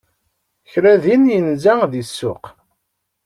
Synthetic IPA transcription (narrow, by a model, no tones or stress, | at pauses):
çɾæðinjənzæðisːʊq